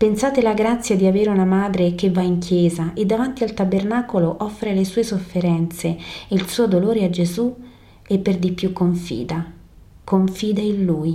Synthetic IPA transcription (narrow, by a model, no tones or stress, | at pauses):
pensaːt̪elaɡɾat̪sːjad̪iaveːɾeunamaːd̪ɾek̟evːaiŋkʰjɛːzaʔed̪ːavant̪ialt̪abernaːkoloʔɔfːɾelesuːesofːeɾɛnt̪seilsuːod̪oloːɾead͡ʒezu | epːerd̪ipːjukːoɱfḭːd̪a | koɱfiːd̪ainluj